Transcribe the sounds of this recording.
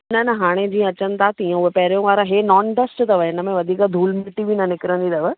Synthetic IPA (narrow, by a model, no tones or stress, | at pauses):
nɐnɐɦaːɽ̃ed͡ʑĩːə̃ɐt͡ɕənt̪ʰat̪iə̃ʊɦepɐɦɾijõʋaːɾãɦenɔːnʈəsʈt̪ɐʋəɦɪnəmẽʋɐd̪ʱiːkd̪ʱuːlmɪʈibʱinɐnɪkɾə̃nd̪id̪ɐʋə